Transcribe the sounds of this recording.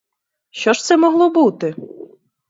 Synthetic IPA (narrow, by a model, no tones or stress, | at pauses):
ʃɔʃt̪sɛmɔɣlˠɔbut̪ɪ